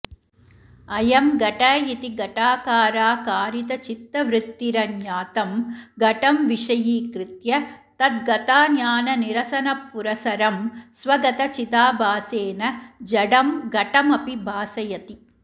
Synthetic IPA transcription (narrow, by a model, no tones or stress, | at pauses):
ɐjɐmɡɐʈaːjit̪iɡɐʈaːkaːɾaːkaːɾit̪ɐt͡ʃit̪ːɐʋɾɪt̪ːiɾɐnjaːt̪ɐmɡɐʈɐmʋiʂɐjiːkɾɪt̪jɐt̪ɐt̪̚ɡɐt̪aːnjaːnɐniɾɐsɐnɐpːuɾɐsɐɾɐmsʋɐɡɐt̪ɐt͡ʃit̪aːbʱaːseːnɐd͡ʒɐɽɐmɡɐʈɐmɐpibʱaːsɐjɐt̪i